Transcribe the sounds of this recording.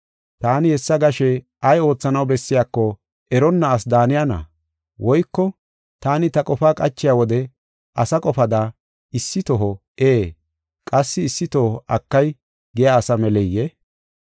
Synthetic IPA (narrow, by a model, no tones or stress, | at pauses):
t̪aːnɪhɛsːɐɡɐʃɛ | ʔɐjo̞ːt͡sːɐnɐwbɛsːɪjaːkːɔ | ɛɾɔnːɐːsd̪aːnɪjanɐ̰ | wɔjkːɔ | t̪aːnɪt̪ɐkʼɔfaːkʼɐt͡ʃːɪjaːwɔd̪ɛ | ʔɐsɐkʼɔfɐd̪a | ɪsːɪt̪ɔɦɔ | eː | kʼɐsːɪːsːɪt̪ohʔɐkːɐj | ɡɛjaːsɐmɛlɛjːɛ